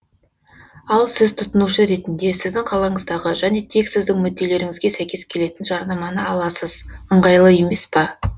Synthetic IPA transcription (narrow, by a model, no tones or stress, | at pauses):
ɑlˠsɪzt̪ʰʊt̪ənuʃəɾe̞t̪ɪnd̪e̞sɪzd̪ɪŋqʰɑlˠɑɴəzd̪ɑʁəʒæne̞t̪ʰe̞ksɪzd̪ɪŋmʏd̪ːe̞le̞ɾɪŋɪzɡʲe̞sæjkʲe̞skʲʰe̞le̞t̪ɪnʒɑɾnɑmɑnəɑlˠɑsəz̥əɴʁɑjlˠəje̞me̞spɑ